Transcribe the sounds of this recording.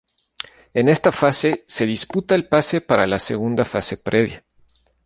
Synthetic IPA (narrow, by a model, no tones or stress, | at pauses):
ene̞st̪afase̞se̞ðisput̪aelpase̞paɾalase̞̰ɣ̞und̪afase̞pɾʔe̞βja